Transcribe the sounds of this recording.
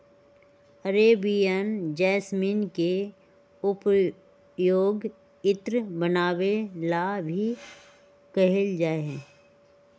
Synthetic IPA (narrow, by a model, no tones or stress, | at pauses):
əɾeːbijənd͡ʒɛːsmiːnke | ʊp | joːɡ | ɪt̪ɾbənaːwelabʱi | kɐɦɪld͡ʒaːeɦɛ̃ː